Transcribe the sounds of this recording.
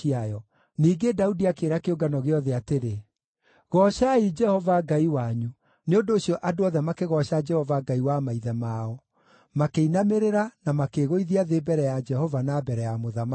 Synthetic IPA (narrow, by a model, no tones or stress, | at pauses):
iajɔ | niːɡedaudiakeːɾakeoɡanɔɣeɔðɛateɾe | ɣɔʃaid͡ʒɛhɔvaɡaiwaɲu | neondoːɕijɔʔadoɔðɛmakeɣɔɕad͡ʒɛhɔvaɡaiwamaiðɛmaɔ | makeinameɾeɾanamakeɣoiðiaðebɛɾɛjad͡ʒɛhɔvanabɛɾɛjamoðama